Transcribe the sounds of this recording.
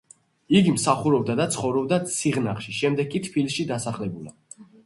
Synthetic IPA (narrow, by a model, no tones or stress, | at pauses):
iɡimsaχuɾɔb̚d̪ad̪at̪sʰχɔvɾɔbd̪at̪sʰiʁnaχʃiʃɛmd̪ɛɡkʼːit̪ʰpʰilʃid̪asaχlɛbula̰